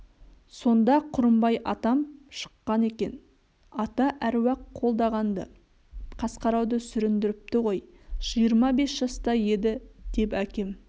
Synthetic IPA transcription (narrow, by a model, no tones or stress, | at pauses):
so̞nd̪ɑqʰʊɾəmbɑjʔɑt̪ɑmʃə̥qːɑne̞kʲe̞n | ɑt̪ɑʔæɾwɑqʰːo̞lˠd̪ɑʁɑnd̪ə̰ | qʰɑsqɑɾɑwd̪əsʏɾɪnd̪ɪɾɪp̚t̪ɪʁo̞j | ʒ̥ijəɾmɑbe̞sʒ̥ɑst̪ɑje̞d̪ɪd̪̥e̞pækʲe̞m